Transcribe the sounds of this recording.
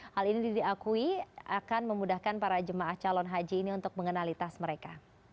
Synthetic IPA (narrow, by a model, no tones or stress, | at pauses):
halinididiakuiakanməmudahkanpaɾad͡ʒəmaaht͡ʃalɔnɦad͡ʒiːniunt̪ʊk̚məŋənalit̪asməɾeka